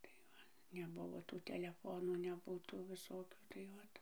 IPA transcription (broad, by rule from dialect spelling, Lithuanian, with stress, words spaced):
tɐɪ ˈʋɐ nʲɛˈbʊʋoː tuː tʲɛlʲɛˈfoːnuː nʲɛˈbʊ tuː ˈʋʲɪsoːkʲuː tɐɪ ˈoːt